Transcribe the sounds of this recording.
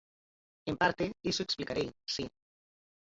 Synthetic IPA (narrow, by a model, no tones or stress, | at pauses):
empaɾt̪eesoeksplikaɾejsi